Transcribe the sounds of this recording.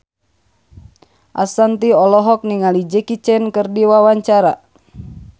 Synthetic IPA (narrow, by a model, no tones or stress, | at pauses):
ʔa̰sant̪iɔlɔɦɔk̚niŋalid͡ʒɛkit͡ʃɛnkɨrdiwawaɲt͡ʃaɾa